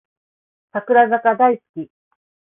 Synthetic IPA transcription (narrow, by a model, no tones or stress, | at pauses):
sakɯ̟ɾazakad̪aisɨ̥kʲi